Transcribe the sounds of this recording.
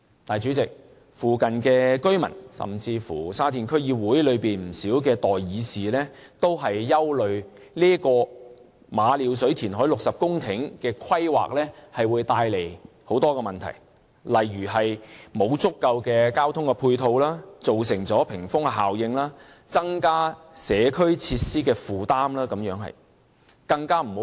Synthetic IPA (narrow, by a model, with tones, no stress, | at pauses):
t̪aː˨jt͡ʃy˨˥t͡sɪ˨k̚ | fuː˨kɐ˨nkɛː˧kɵ˥ɥmɐ̰˨˩nsɐ̰˨mt͡siː˧fṵː˨˩saː˥t̪iː˨˩nkʰɵ˥ɥjiː˧wuː˨˥jlɵ˨˧ɥpiː˨nm̩˨˩siː˨˥wkɛː˧t̪ɔː˨jjiː˨˧siː˨lɛː˥t̪o˥wɦɐ˨jːɐ˥wlɵ˨ɥ | liː˥kɔː˧ | maː˨˧liː˨˧wsɵ˨˥ɥt̪ʰiː˨˩nɦɔː˨˥jlʊ˨k̚sɐ˨p̚kʊ˥ŋt̪ʰɪ˨˥ŋkɛː˧kʰwɐ˥jwa̰ː˨k̚lɛː˥hɐ˨jwuː˨˧jt̪aː˧jle˨˩j | ho˨˥wt̪ɔː˥kɛː˧mɐ˨nt̪ʰɐ̰˨˩j | lɐ˨jɥyː˨˩ɦɐ˨jmo˨˧wt͡sʊ˥kːɐ˧wkɛː˧kaː˥wt̪ʰʊ˥ŋkɛ˧pʰuː˧jt̪ʰo˧wlaː˥t͡so˨wsɪ˨˩ŋt͡sɔː˨˥pʰɪ˨˩ŋfʊ˥ŋɐ˧ɦaː˨wjɪ˧ŋlaː˥ | t͡sɐ˥ŋkaː˥ | sɛː˨˧kʰɵ˥ɥt͡sʰiː˧t̚siː˥kɛː˧fuː˨˩t̪aː˥mlaː˥kɐ˨˧˥mjœː˨˥ŋɦɐ̰˨j | kɐ˧ŋkaː˥m̩˨˩h